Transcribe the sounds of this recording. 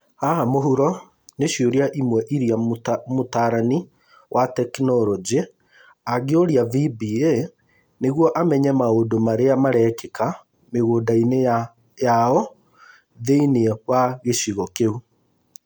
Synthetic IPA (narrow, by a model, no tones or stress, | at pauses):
hahamoɦuɾɔ | neɕioɾiaʔimwɛʔiɾiamotaɾani | wʔatɛknɔɾɔd͡ʑe | aɡeoɾjavibiːe | neɣwɔʔamɛɲɛmaodomaɾeamaɾɛːkeka | meɣoːdaine | jaɔ | ðeiniwaɣeɕiɣɔkeu